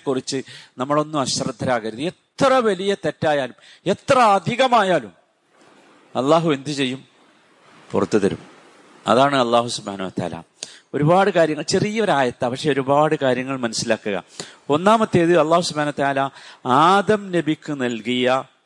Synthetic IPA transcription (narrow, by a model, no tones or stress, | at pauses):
kːurit͡ɕːɨnɐmːɐɭo̞nːumɐɕɐrɐd̪ʱːɐɾaːɣɐɾuðie̞t̪rɐʋɐlijɐt̪etːaːjaːlum | e̞t̪rɐɐd̪ʱiɣɐmaːjaːlum | ɐlˠːaːɦuend̪ʱit͡ɕe̞jːum | pṵrɐt̪ːut̪ɐɾṵm | ɐ̰ðaːɳɨɐlˠˤːaːɦusubhaːnɐʋɐt̪a̰ːla̰ | o̞ɾubaːɽɨkaːɾjɐŋːɐɭt͡ɕe̞rijːɐʋɐɾaːjɐt̪ːapɐkʂe̞oɾubaːɽɨkaːɾjɐŋːɐɭmɐnɐsilaːkːuɣɐ̰o̞nːaːmɐt̪ːe̞ːɐðɨɐlˠˤːaːhusubhaːnɐːɐt̪ɐaaːlɐaːd̪ɐmnebikʲːunɐlkijɐ